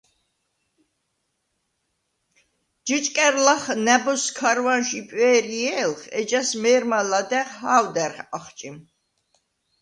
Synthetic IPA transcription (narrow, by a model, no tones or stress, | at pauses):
d͡ʒɨt͡ʃʼkʼɛɾlaχnɛbɔskʰaɾwanʃipʼwɛːɾiɛlχɛd͡ʒasmɛːɾmalad̪ɛχhaːwd̪ɛɾχaχt͡ʃʼim